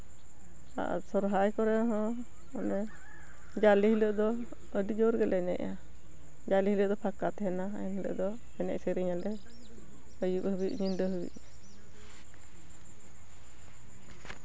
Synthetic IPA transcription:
a̰ʔsɔɾɦajkɔɾɛɦɔ̃ | ɔnɛ | d͡ʒalihiləʔd̪ɔ | əɖid͡ʒɔɾɡɛlɛnɛ̰ʔa | d͡ʒaliɦiləʔd̪ɔpʰakat̪ɦɛnaa̰jɛnhilə̰ʔd̪ɔ | ɛnɛ̰ʔsəɾiɲalɛ | əjuʔhəbḭʔɲinɖəɦubḭʔ

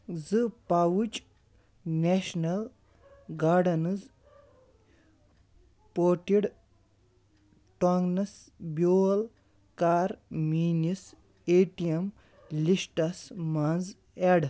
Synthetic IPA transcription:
zɨpawut͡ʃ | neʃnɐl | ɡaːɖɐnɨz | poːʈiɽ | ʈɔŋɡnɐsbʲjoːl | kaːɾmiːnis | eːʈijɐm | lisʈɐsmanz | eɽ

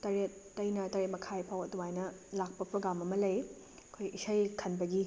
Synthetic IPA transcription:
tɐɾet̚ːɐjnɐtɐɾet̚mɐkʰajpʰawɐdumajnɐlak̚pɐpɾoɡamɐmɐlɐj | ɐkʰojisɐjkʰɐnbɐɡi

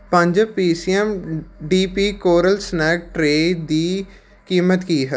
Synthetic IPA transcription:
pə̃ɲd͡ʒpiːsiːɛmɖiːpiːkoːɾəlsnɛːk̚ʈɾeːd̪iː | kiːmət̪kiːɦə

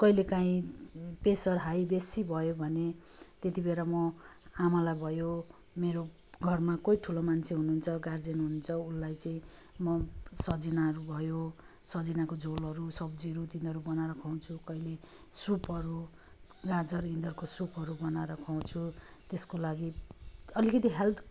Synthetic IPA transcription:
kʌilekaĩpesʌrɦajbesibʱʌjobʱʌnet̪et̪ibeɾamʌamalajbʱʌjo | meɾo | ɡʱʌrmakʌiʈʰulomant͡sʰeɦununt͡sʰʌɡard͡zenɦunt͡sʰʌulːajt͡sʌĩ | mʌsʌd͡zinaʌɾubʱʌjo | sʌd͡zinakod͡zolʌɾusʌbd͡ziʌɾut̪ind̪ʱʌɾubʌnaɾʌkʰaw̃t͡sʰukʌile | supɦʌɾu | ɡad͡zʌrĩnd̪ʌrkosupɦʌɾubʌnaɾʌkʰaw̃t͡sʰut̪eskolaɡiʌlikʌt̪iɦelt̪ʰ

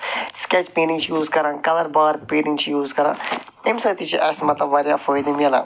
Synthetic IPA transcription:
skɛt͡ʃpeːnĩŋt͡ʃjuːzkɐɾãːkɐləɾbaːɾpeːɾĩŋt͡ʃʰijuːzkɐɾã̰ː | emsaːt̪it͡ʃiʔɐsmɐt̪lɐbʋaːɾjaːfoːjd̪imiɐlã̰ː

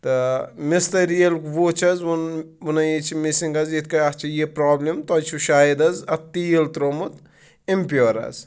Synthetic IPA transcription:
t̪ɐmist̪ɐɾijɐlkʋot͡ʃʰɐzun | unɐjet͡ʃʰimisiŋɡɐzit̪̚ʰkɐɐt͡ʃʰijepɾaːblʲimt̪ɔt͡ʃʰuʃaːid̪ɐzɐt̪ːijelt̪ɾomut̪ | empʲoɾɐ̰z

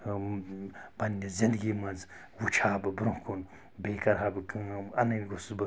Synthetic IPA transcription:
b̥ɐnʲːizind̪ɡiːmɐnz | wut͡ʃʰaːbɨbɾũhkʰun | beːkɐɾɦaːbɨkɨɐnɐnɡusbɨ

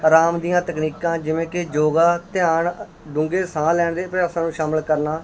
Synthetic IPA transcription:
ɾaːmd̪ijãːt̪əkniːkãːd͡ʒɪʋẽːkɪd͡ʒoːɡaːt̪ɪjaːɳ | ɖʊ̃ŋɡeːsãːlɛːɳd̪eːpɾɪjaːsãːnũːʃaːməlkəɾnaː

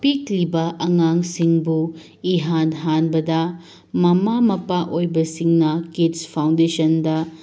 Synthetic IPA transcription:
piklibɐʔɐŋaŋsiŋbu | iɦanɦanbɐdɐ | mɐmamɐpaʔojbɐsiŋnɐkitspʰaw̃ndesɐndɐ

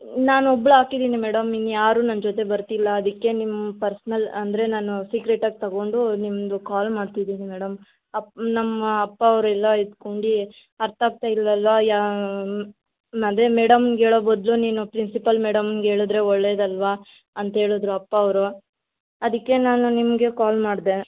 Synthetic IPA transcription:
naːnɔbɭuaːkid̪iːnimɛːɽɐminːujaːɾuːnɐmd͡ʒoːt̪e̞bɐɾt̪ilːɐːd̪ɐkːe̞nimːɐpɐɾsnɐlɐnd̪ɾe̞naːnusiːɡɾeʈaːɡ̚t̪ɐɡo̞ːɳɖunimd̪ukaːlmaːɖt̪id̪iːnimɛːɽɐm | ɐnɐmːɐɐpːaɐʋɾɛlːɐid̪koɳɖi | ɐɾt̪ʰaːɡ̚t̪aːilːɐlʋaja | mɐd̪emeːɽɐmnɡeːɭoːbɐd̪luniːnupɾinsipɐlmeːɽɐmnɡeːɭod̪ɾe̞ɔɭːeːd̪ɐlʋa | ɐnt̪ɐɦe̞ːɭod̪ɾuɐpːɐːʋɾu | ɐd̪ikːe̞naːnunimɡe̞kaːlmaːɖd̪e

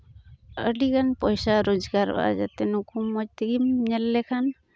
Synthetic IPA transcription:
ə̰ɖikanpɔjsaɾod͡ʒɡaɾɔ̰ʔa̰d͡ʒa̰t̪ɛnukumːɔc̚t̪iɡimɲɛlːɛkʰan

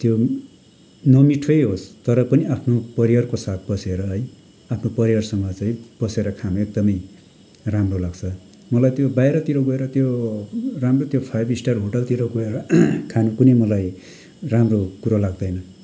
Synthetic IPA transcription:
t̪jo | nʌmiʈʰʌjɦost̪ʌɾʌpʌniapʰnopʌɾiʌrkosat̪̚ʰbʌseɾʌɦʌj | apʰnopʌɾijʌrsʌŋʌt͡saĩb̥ʌseɾʌkʰanuek̚d̪ʌmʌj | ramrolaɡt͡sʰʌ | mʌlajt̪jobajɾʌt̪iɾʌɡoeɾʌt̪jo | ramrot̪jopʰajbisʈarɦoʈʌlt̪iɾoɡoeɾʌkʰanukunemʌlaj | ramrokuɾalaɡ̚d̪ʌjnʌ

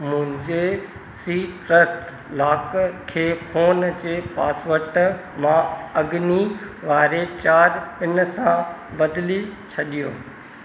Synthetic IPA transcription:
mʊ̃ɦɪ̃ɲd͡ʑe | siːʈɾəsʈ | laːkkʰːeːpʰoːnd͡ʑeːpa̰ːsʋəɾʈ | mãɐɡniʋaːɾet͡ɕaːɾpɪnsãbɐd̪lit͡ɕʰɐɗijo̰ː

